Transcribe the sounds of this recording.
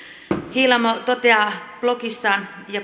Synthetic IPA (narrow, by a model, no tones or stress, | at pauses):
hilɑmot̪ot̪eɑplokisːɑːnjɑ